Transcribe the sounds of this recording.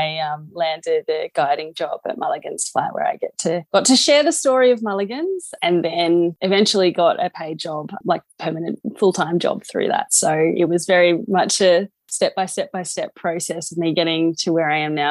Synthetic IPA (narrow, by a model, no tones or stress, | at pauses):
aɪʌ̃mlæ̃ndɪd̪̚ɨɡ̥aɪɾɪ̃ŋd͡ʒɑbɨ̰t̚mæ̰lˠɨɡɨ̃nz̥fla̰ɪwə̰˞a̰ɪɡɛtʰɨɡ̥ɑtʰɨʃɛɹðɨstɔɹiʌvmælˠɨɡɨ̃nz̥ɨ̃nðɨ̃nɨvɛ̃nt͡ʃl̩ˠiɡɑɾɨ̰pʰeɪd͡ʒɑb̥laɪk̚pʰɜ˞mɨnɨ̰̃t̚fʊlˠtʰãɪ̃md͡ʒɑ̰b̥̚θɹʉ̰ðə̰tsoʊɪ̰t̚wʌzvɛɹimʌt͡ʃɨ | stɛp̚b̥aɪstɛp̚b̥aɪstɛpʰɹ̥oʊsɛsʌvnðɨɡɛɾɪ̃ŋtʰɨwə˞aɪɨ̃mnaʊ